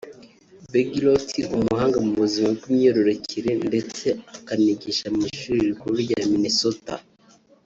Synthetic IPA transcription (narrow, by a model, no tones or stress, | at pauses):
beɡilotʰiumuɦaːŋɡamuβuzimabɡwimɲoɾo̞ɾocʰiɾe̞nde̞t͡se̞akaniɟiʃamiʃuɾiɾikuβiɟanaminisota̰